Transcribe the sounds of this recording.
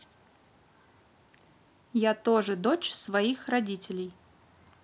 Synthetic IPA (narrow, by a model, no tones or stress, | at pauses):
jat̪oʐɨd̪ot͡ɕsvɐixrɐdʲitʲɪlʲɪj